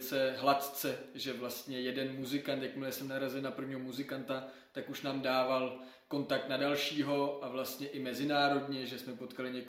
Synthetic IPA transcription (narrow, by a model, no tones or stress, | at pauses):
t͡sɛɦlat̪t͡sɛʒɛvlast̪ɲɛjɛdɛnmuzɪkant̪jakmɪlɛsɛmnaɾazɪlnapr̩vɲiːɦomuzɪkant̪a | t̪akuʃnaːmdaːval | ko̞nt̪ak̚t̪nadalʃiːɦo̞ʔavlast̪ɲɛʔɪmɛzɪnaːɾo̞dɲɛʒɛsmɛpo̞t̪kalɪɲɛk